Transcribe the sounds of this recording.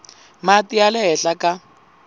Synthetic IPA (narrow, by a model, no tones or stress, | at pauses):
matialɪɦɛɬaka